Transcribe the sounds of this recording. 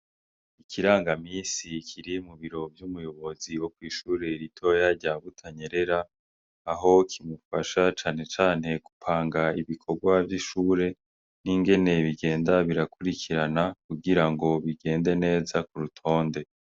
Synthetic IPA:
ikʰiɾaːŋɡamiːsikʰiɾimuβiɾo̞vjumujo̞βo̞ziwo̞kwiːʃuːɾe̞ɾitʰo̞jaɾɟaβutʰaɲe̞ɾe̞ɾaː | ɦo̞kʰimufaʃat͡ʃaːne̞t͡ʃaːn̥he̞ku̥pʰaːŋɡaiβikʰo̞ɾɡwavjiʃuːɾe̞ | niŋɡe̞ne̞βiɡe̞ːndaβiɾakuɾikʰiɾanakuɡiɾaŋɡo̞βiɡe̞ːnde̞ne̞ːzakuɾutʰo̞ːnde̞

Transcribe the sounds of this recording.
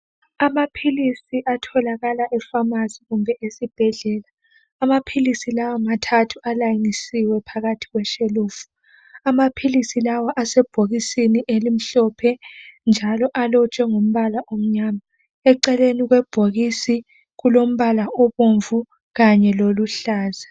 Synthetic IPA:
amapʰilisiʔatʰɔlaɣalaʔɛfamaziɣumbʱɛʔesib̥ʱɛɮɛːlaː | mapʰilisilawamatʰatʰualajinisiwɛpʰaɣatʰiɣwɛʃeluːfu̥ | amapʰilisilawaʔasɛb̥ʱoɣisiniʔelim̩ɬɔpʰɛnd͡ʒʱalɔʔalɔt͡ʃʼɛŋom̩βalaʔom̩ɲaːma | ɛǃɛleniɣwɛb̥ʱoɣisi | ɣulom̩βalaoβoɱvu | ɣaɲɛloluɬaːza

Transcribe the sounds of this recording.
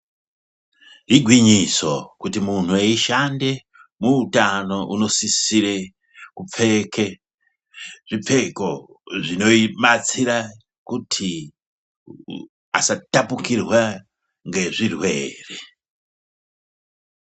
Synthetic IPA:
ɦiɡʱwiɲiso̞̰kutimun̤̥ueiʃande̞ | muːtano̞ʔuno̞sisiɾe | kup͡fe̞ke | ʐip͡fe̞ko̞ | ʐino̞imat͡siɾa | kutʰi | a̰satapukirwa | ŋɡe̞ʐirweːre

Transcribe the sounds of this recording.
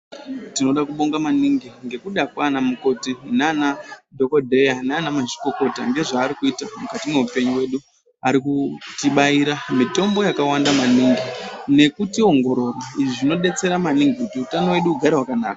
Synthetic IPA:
tino̞ɗakuɓoŋɡamaniŋɡiŋɡe̞kuɗakwanamuko̞tinːnadʱo̞ko̞dʱe̞janaanamaʒi̥ko̞ko̞ta̰ŋɡe̞ʐaːɾikuitamukatime̞upe̞ɲuwe̞ɗu | aɾikutiɓaiɾamito̞mbo̞jakawandamaniːŋɡine̞kutio̞ŋɡo̞ɾo̞rwaiʐiʐino̞ɗe̞t͡se̞ɾamaniŋɡikutiutano̞we̞ɗuːɡʱaɾaɦwakana̰ːka

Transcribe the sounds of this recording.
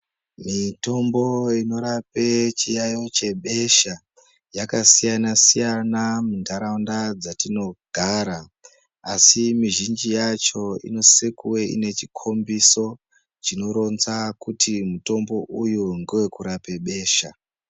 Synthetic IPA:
mito̞mbo̞ino̞ɾape̞t͡ʃijajo̞t͡ʃe̞ɓe̞ʃa | jakasijanasijanamundaɾaundad͡zatino̞ɡʱaːɾaː | simiʒind͡ʒijat͡ʃo̞ḭno̞sekuwe̞ḭne̞t͡ʃikʰo̞mbiso̞ | t͡ʃino̞ɾo̞nzakutʰimuto̞mbo̞ʔujuŋɡewe̞kuɾapeɓe̞ːʃa

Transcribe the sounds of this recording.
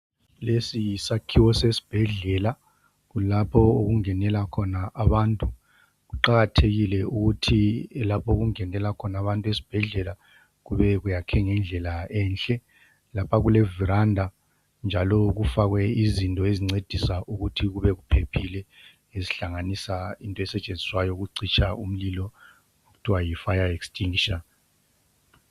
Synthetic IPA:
lesisakʰiwɔsesi̥b̥ʱɛɮɛla | ɣulapʰɔoɣuŋɛnɛlakʰɔnaʔaβaːntʼu | ɣuǃaɣatʰeɣilɛuɣutʰilapʰɔɣuŋɛnɛlakʰɔnaβantʼuesi̥b̥ʱɛɮɛla | ɣuβɛɣujakʰɛŋɛnd͡ɮʱɛlaɛnɬʼɛ | lapʰaɣulɛviɾandʱa | nd͡ʒʱalɔɣufaɣwɛizintʼɔeziŋ͡ǀed̥ʱisaʔuɣutʰiɣuβɛɣupʰepʰilɛ | eziɬaŋanisaintʼɔɛsɛt͡ʃʼend͡zʱiswajɔɣuǀit͡ʃʼʰaum̩lilɔ | okutʰiwajifajaekstʼʰiŋʃan

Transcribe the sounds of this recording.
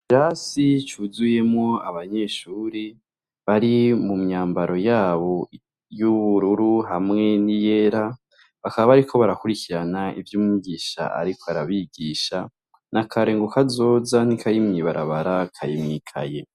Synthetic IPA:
iɾasit͡ʃuːzuje̞mŋo̞aβaɲe̞ːʃuːɾi | βaɾimumɲaːmbaɾo̞jaːβo̞ | juβuɾuɾuɦamŋe̞nije̞ɾa | βakaβaβaɾikʰo̞βaɾakuɾikiɾanaivjuːmiɡiʃa̰a̰ɾikʰoaɾaβiɡiʃa | nʔakʰaɾe̞ːŋɡokazo̞ːzan̥ikʰajimŋiβaɾa̰βaɾakʰajimŋiːkʰa̰je̞

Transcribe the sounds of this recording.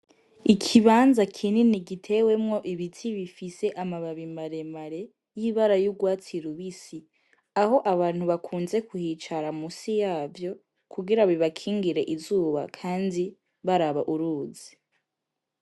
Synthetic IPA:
ikʰiβaːnzakʰininiɡitʰe̞we̞mŋo̞ʔiβitʰiβifise̞ʔamaβaβimaɾe̞maɾe̞ | jiːβaɾajuɡwaːt͡siɾuβisi | aho̞ʔaβaːn̥huβakʰuːnze̞kuhiːt͡ʃaɾamusijaːvjo̞ | kʰuɡiɾaβiβakʰiːŋɡiɾe̞ʔizuːβa̰kʰaːndi | βaɾaβaʔuɾuːzi

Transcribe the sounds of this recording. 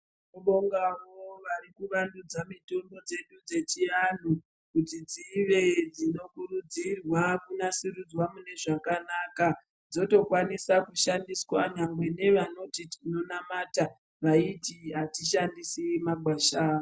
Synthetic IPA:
noɓoŋɡawoʋarikuʋandud͡zamito̞mbo̞d͡ze̞ɗud͡ze̞t͡ʃian̤u | kutid͡ziʋe̞d͡zino̞kurud͡zirwakunasiɾud͡zwamune̞ʐakanaka | d͡zo̞to̞kwanisakuʃandiswanaŋɡwe̞ne̞ʋano̞titino̞namata | ʋaitiɦatiʃandisimaɡʱwaːʃaː

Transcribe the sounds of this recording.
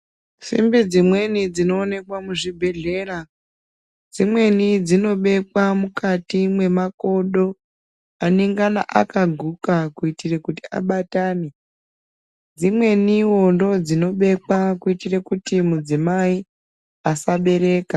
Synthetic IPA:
sḭmbid͡zimwe̞nid͡zino̞ːne̞kwamuʐibʱe̞ɮe̞ːɾa | d͡zimwe̞nid͡zino̞ɓe̞kwamukatimwe̞mako̞ɗo̞ | aneŋɡana̰ʔa̰kaɡʱukakuitirekutia̰ɓataːne | d͡zimwe̞niwo̞ndo̞d͡zino̞ɓe̞kwakuitirekutimud͡zimai | asaɓe̞ɾe̞ːka

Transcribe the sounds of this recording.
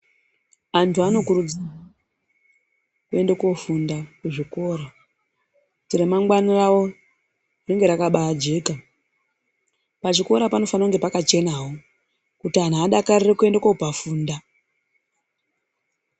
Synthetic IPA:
antʰuano̞kuɾud͡za | kue̞ndeko̞fundakuʐiko̞ːɾa | tiremaŋɡwanirawo̞ | reŋɡeɾakaɓaad͡ʒe̞ːka | paʐiko̞ɾapano̞fanauŋɡe̞pakat͡ʃe̞naɦo | kutian̤uaɗakarirekue̞ndakoupafuːnda

